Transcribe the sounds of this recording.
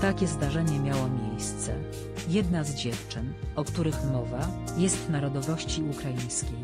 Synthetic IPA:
t̪akʲɛzd̪aʐɛɲɛmʲjawɔmʲjejst̪sɛ̰ | jɛd̪nazd͡ʑɛft͡ʂɘnɔkt̪uɾɘxmɔva | jɛst̪naɾɔd̪ɔvɔɕt͡ɕiukɾajĩj̃skʲej

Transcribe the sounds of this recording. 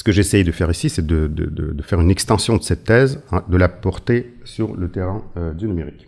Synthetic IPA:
sə̥kəʒesɛjd̪əfɛʁisisɛd̪əd̪ə̰d̪ə̰d̪əfɛʁynɛkst̪ɑ̃sjɔ̃d̪əsɛt̪ːɛzɛ̃d̪əlapɔʁt̪esyʁlət̪eʁɛ̃ød̪ynymeʁik

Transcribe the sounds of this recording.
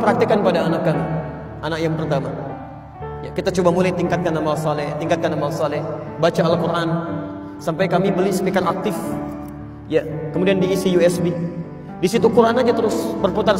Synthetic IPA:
pəɾak̚t̪ikanpadaːnakkami | ʔanakjaŋpəɾut̪ama | ja̰kit̪at͡ʃobamulajt̪iŋkat̪̚kanamalsalɛht̪iŋkat̪̚kanamalsalɛh | bat͡ʃaːlkuɾan | sampajkamibəlisə̥pikarak̚t̪ɪf | jakəmudiandiːsijuɛsbi | disit̪ukuɾanad͡ʒat̪əɾʊsbərput̪ar

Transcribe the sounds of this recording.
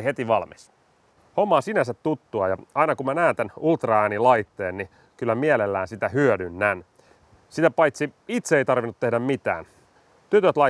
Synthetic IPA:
het̪iʋɑlmis | homːɑːsinæsæt̪tut̪ːuɑjɑɑinɑkumænæːnt̪ænult̪rɑæːnilɑjt̪ːe̞ːnːi | kylːæmielelːæːnsit̪æhyødynːæn | sit̪æpɑjt̪siit̪seeijt̪ɑrʋinːut̪ːehdæmmit̪æ̰ːn | t̪yt̪øt̪lɑ

